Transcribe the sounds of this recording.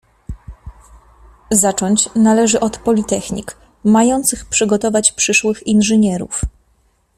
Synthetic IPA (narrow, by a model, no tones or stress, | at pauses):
zat͡ʂɔɲt͡ɕnalɛʐɘʔɔt̪pɔlʲit̪ɛxɲḭk | majɔnt̪sɘxpʂɘɡɔt̪ɔvat͡ɕpʂɘʂwɘxinʐɘɲɛɾṵf